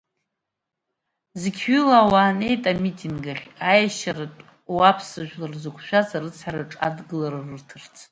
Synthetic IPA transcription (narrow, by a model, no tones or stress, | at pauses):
zɨɡʲʰʏlaːwaːne̞jtʼamitʰʼinɡaχʲajaʃaɾatʼ | wapʰsɨʒᶣlarzɨkʷʰʃʷᶣazarɨt͡sʰħaɾaʈ͡ʂʼa̰dɡɨlaɾarɨrtʰɨrt͡sʰ